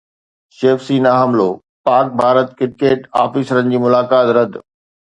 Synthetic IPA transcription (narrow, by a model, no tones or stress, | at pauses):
ʃeːfsiːnɐɦɐmloː | paːk̚bʱaːɾət̪kɪɾkeːʈaːfisɾənɪ̆d͡ʑiːmʊlaːkaːt̪ɾɐd̪